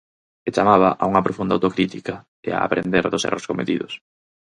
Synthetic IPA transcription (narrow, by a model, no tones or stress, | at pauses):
et͡ʃamaβ̞a̰ʔauŋɐpɾofund̪awt̪okɾit̪ika | ɪa̰ːpɾḛnd̪eɾðʊsḛroskomet̪iðʊs